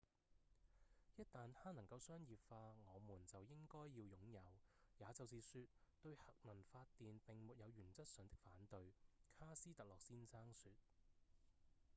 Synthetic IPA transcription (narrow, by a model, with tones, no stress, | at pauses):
jɐ˥t̚t̪aː˨ntʰaː˥nɐ˨˩ŋkɐ˧wsœː˥ŋjiː˨p̚faː˧ŋɔː˨˧muː˨˩nt͡sɐ˨wjɪ˥ŋkɔː˥jːiː˧wjʊ˨˥ŋjɐ˨˧wjaː˨˧t͡sɐ˨wsiː˨syː˧t̚t̪ɵ˧ɥhɐ˨k̚mɐ˨˩nfaː˧t̪iː˨npɪ˨ŋmuː˨t̚jɐ˨˧wjyː˨˩nt͡sɐ˥t̚sœ˨˧ŋt̪ɪ˥k̚faː˨˥nt̪ɵ˧ɥkʰaː˥siː˥t̪ɐ˨k̚lɔː˨k̚siː˥nsaː˥ŋsyː˧t̚